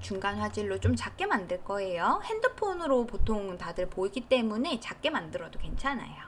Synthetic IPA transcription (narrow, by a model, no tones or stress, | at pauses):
t͡ɕuŋɡanɸwad͡ʑiɭːot͡ɕomt͡ɕak͈e̞mandɯɭk͈ʌe̞johe̞ndɯpʰonɯɾopotʰoŋtadɯɭpoiɡit͈e̞mune̞t͡ɕak͈e̞mandɯɾʌdoke̞nt͡ɕʰana̰jo